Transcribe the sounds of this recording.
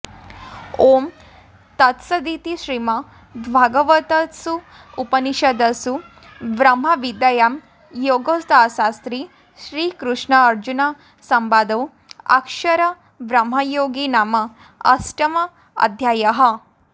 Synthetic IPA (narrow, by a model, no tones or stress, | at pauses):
om | t̪ɐt̪sɐd̪it̪iʃɾimɐ | d̪ʋʱaɡɐʋɐt̪ɐsu | upɐniʃɐd̪ɐsu | ʋɾɐm̤ɦɐʋid̪ɐjam | joːɡosd̪asast̪ɾi | ʃɾiːkɾuʂɳɐːɾd͡ʑuna | sɐmbaːd̪ɐw | ɐ̰kʂɐɾɐ | ʋɾɐmɦɐjoːɡinamɐ | ɐ̰sʈɐmɐ | ɐ̰d̪ʱjaːjɐɦɐ